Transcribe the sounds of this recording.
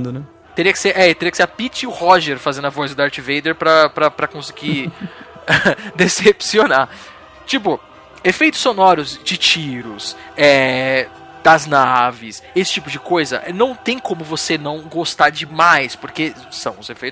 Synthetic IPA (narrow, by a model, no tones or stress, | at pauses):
d̪ʊnɛ | t̪eɾiɐkɪ̥seʔɛɪt̪eɾiɐkɪ̥seapit͡ʃɪʊhɔʒeɾfazẽnd̪ʊɐvɔjzʊd̪aɾt͡ʃivejd̪eɾpɾɐpɾɐpɾɐkõsɪ̥ɡi | d̪esepsiona | t͡ʃipʊ | efejt̪ʊ̥sːonɔɾʊzd͡ʒɪt͡ʃiɾʊsɛ | d̪̥ɐznavɪsesɪ̥t͡ʃipʊd͡ʒɪkojzɐ̰ʔɛnɐ̃w̃t̪ẽj̃kõmʊvosenɐ̃w̃ɡost̪aɾd͡ʒɪmajspoɾke | sɐ̰̃w̃ʊzefejt̪